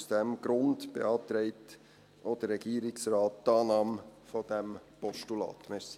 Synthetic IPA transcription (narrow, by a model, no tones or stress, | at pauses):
sd̥ɛmɡ̥ɾʊndb̥ḛɑːt̪ɾɛɪt | ʔod̥̪əːɛɡ̥iːɾɪksɾɑːt̚dɑːnɑːmfɔd̥ɛmpɔʃtulɑ̰ːtmɛɾsi̥